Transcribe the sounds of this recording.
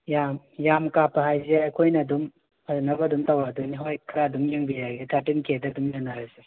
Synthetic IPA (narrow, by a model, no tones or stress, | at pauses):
jam | jamkapʰɐɦajzeajkʰojnɐdum | aɾnɐbɐdumtawɾaduniɦojkʰɾadumjeŋbijaɡetʰatinkʰedɐdumjanaɾaze